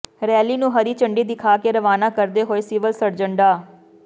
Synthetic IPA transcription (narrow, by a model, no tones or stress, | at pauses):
ɾɛːliːnũːɦəɾiːt͡ʃəɳɖiːd̪ɪkʰaːkeːɾəʋaːnaːkəɾd̪eːɦoːeːsɪʋəlsəɾd͡ʒəɳɖaː